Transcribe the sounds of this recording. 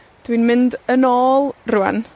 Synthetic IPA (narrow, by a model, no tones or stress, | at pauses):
d̥winmɪndənɔːlˠrʊa̰n